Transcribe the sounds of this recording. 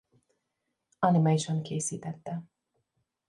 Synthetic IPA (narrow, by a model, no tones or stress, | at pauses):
ɒnimajiʃoŋkeːsiːt̪ɛt̪ːɛ